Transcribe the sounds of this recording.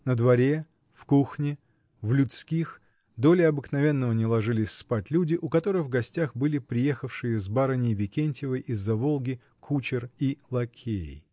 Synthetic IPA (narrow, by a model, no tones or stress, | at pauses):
nəd̪vɐɾʲe̞ | fkuxnʲɪ | vlʲʊt̪skʲix | d̪o̞lʲɪɐbɨknɐvʲe̞nːəvənʲɪlˠɐʐɨlʲɪsʲspatʲlʲudʲɪʔʊkɐt̪o̞ɾɨvɡɐsʲtʲaxbɨlʲɪpɾʲɪje̞xəfʂɨjəzbaɾənʲɪjvʲɪkʲenʲtʲɪvəjʔizːɐvo̞lˠɡʲɪ | kʰut͡ɕɪrilˠɐkʲʰeɪ̰